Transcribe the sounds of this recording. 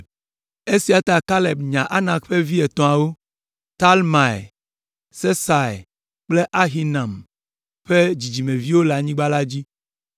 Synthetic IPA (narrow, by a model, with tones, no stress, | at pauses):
e˦si˨a˨t̪a˨ka˦le˨bɲã˨ʔa˦nã˨ɸe˦vi˦ɛ˨t̪ɔ̃˨a˨wo˦ | t̪a˦lma˨j | se˦sa˨j | k͡ple˦ʔa˦ɦi˦nã˨m | ɸe˦d͡ʑi˨d͡ʑi˨mẽ˨vi˦wo˦la˨ɲĩ˦ɡ͡ba˦la˦d͡ʑi˦